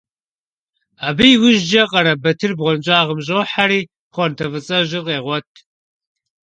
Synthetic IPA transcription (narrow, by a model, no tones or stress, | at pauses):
abijwʊʒd͡ʒɐqʼɐɾɐbɐtʰɨrbʁʷɔnd͡ʒʼaːʁəmʒoːħaɾiː | χʷɔntʰɐvɨt͡sʼɐʒɪqʼeːʁʷɔtʰ